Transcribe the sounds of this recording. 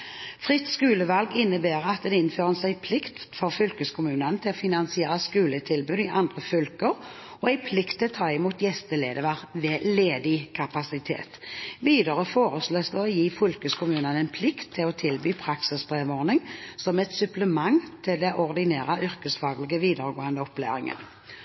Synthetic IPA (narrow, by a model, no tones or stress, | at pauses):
fʁɪt̪skʉːləʋɑlɡɪnːəbeːʁɑt̪̚d̪ɛɪnføːʁəsæɪpʰlɪkt̪fɔʁfʏlkəskʰʊmʉːnənət̪ʰɪlɔfɪnɑnsɪeːʁəskʉːlət̪ʰɪlbʉːd̪ɪʔɑnd̪ʁəfʏlkəʁ | ɔæɪpʰlɪkt̪ʰːɪlt̪ʰɑːɪmuːt̪jɛst̪əlḛːd̪əʋɑʁʋɛːleːd̪ɪkʰɑpɑsɪt̪ʰḛːt̪ʋiːd̪əʁəfoːʁəsløːsd̪oːɔjiːfʏlkəskʰʊmʉːnənæɪnpʰlɪkt̪ʰːɪlɔt̪ʰɪlbyːpʰʁɑksɪsbʁeːʋɔʁnɪŋsɔmɛt̪sʉpləmɑŋːt̪ʰɪld̪ɛʔɔʁd̪ɪneːʁəʔʏʁkəsfɑːɡlɪɡəʋiːd̪əɾəɡoːənd̪əɔplæ̰ːʁɪ̰ŋə̰n